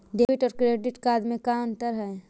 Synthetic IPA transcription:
ɖeːʋɪʈɔːɾkɾeːɖɪʈkaːd̪mẽkaə̃nt̪əɾɦɛː

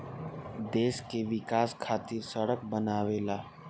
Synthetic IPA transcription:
d̪eːʃkeʋɪkaːskʰaːt̪iɾsəɽək̚bənaːʋelaː

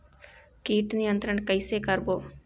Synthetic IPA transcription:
kiːʈ̪nɪjənt̪ɾəɳkəɪsekəɾboː

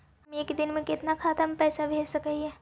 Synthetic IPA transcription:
ɦɐmeːkd̪ɪnmẽkɪt̪nakʰaːt̪əmpɛːsabʱeːlsɐkəiɛː

